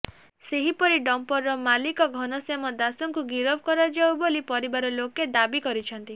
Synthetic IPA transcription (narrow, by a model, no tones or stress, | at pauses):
seɦipɔɾiɖɔmpɔɾːɔmalikɔɡʱɔnɔsemɔd̪asɔŋkuɡiɾɔbʱɔkɔɾad͡ʒawbolipɔɾibaɾɔloked̪abikɔɾit͡ʃʰɔnt̪i